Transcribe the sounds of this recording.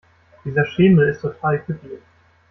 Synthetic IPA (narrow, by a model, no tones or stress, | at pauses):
d̥iːzɐʃɪːml̩ɪstʰotʰaːlfydiːɐ